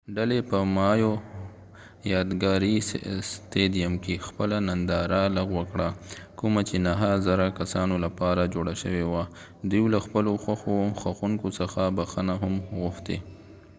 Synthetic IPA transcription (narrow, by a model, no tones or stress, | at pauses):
ɖalepəmɑjo | jɑd̪ɡɑɾist̪eɖijamkexpəlanand̪ɑɾaləɣwəkɽakumat͡ʃenaɦazaɾakasɑnolapɑɾad͡ʒoɽaʃəwewa | d̪wilaxpəloxwaxoxaxuŋkosəxabaxənaɦamɣʊxt̪ḛ